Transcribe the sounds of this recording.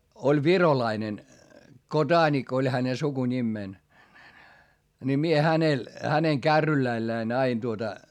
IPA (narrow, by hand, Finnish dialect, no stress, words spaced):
olʲ ʋirolɑinen kodɑːnik olʲ hæne sukunʲimːeˑn ni mie hænel hæneŋ kærːylæĭlːæin ɑin tuotɑ